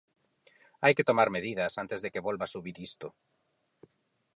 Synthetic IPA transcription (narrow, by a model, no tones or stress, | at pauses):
ajket̪omaɾmeðiðɐsant̪ezðekeβolβasuβiɾist̪o